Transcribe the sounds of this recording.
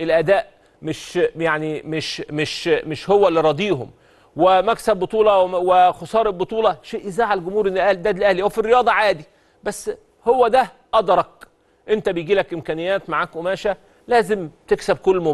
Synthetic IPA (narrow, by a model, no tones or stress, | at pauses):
ʔelʔæd̪æːʔ | mɪʃjaʕnimeʃmɪʃmɪʃhowːælːiɾˤɑd̪ˤiːɦo̰m | wemæksæbːot̪ˤuːlɑwexosˤɑːɾˤebot̪ˤuːlɑʃeːʔɪzaːʕalɡʊmhuːɾenlʔæd̪æːd̪lʔæhlihæwæfirːejɑːd̪ˤɑʕaːd̪i | bæsː | howːæd̪æ | ʔɑd̪ɾˤɑk̚ | ʔent̪æbejɡiːlækʔɪmkæːnɪjːæːt̪maʕaːkʔʊmæːʃæ | læːzemt̪eksæb̚kolːmo